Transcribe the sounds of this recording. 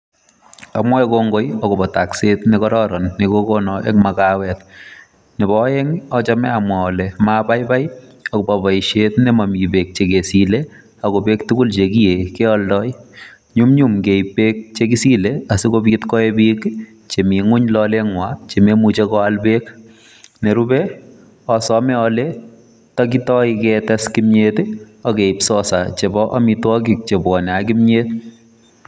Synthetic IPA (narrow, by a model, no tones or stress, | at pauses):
a̰mwaekoŋɡojɔkobataksetnɪkɔɾɔɾɔnːɪkokonɔʔḛŋmakawɛt | nɪbɔɛŋɔt͡ʃamɛamwaɔlɛmapajbajɔkobabaiʃetnɪmamibek̚t͡ʃekesile | akobektukʊlt͡ʃekijekeɔldɔj | ɲumɲumkejpek̚t͡ʃekisileasikobitkɔebik | t͡ʃemiŋʊɲlɔleŋwat͡ʃememut͡ʃekɔalbek | neɾubɛ | ɔsɔmɛɔle | tɔk̬itɔikɛtɛskimɲet | ɔkeipsɔsat͡ʃebɔʔamitwɔk̬ik̚t͡ʃebwɔnɛakimɲet